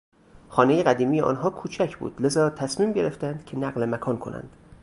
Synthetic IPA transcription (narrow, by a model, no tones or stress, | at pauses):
xɒːne̞jeɣæd̪iːmijeʔɒ̰ːnɦɒːkʰuːt͡ʃʰæcʰbṵːd̪̥le̞zɒːt̪ʰæsmiːmɟe̞ɾeft̪ænd̪̥cʰe̞næɢlemækʰɒːnkʰo̞nʔæ̰nd̪̥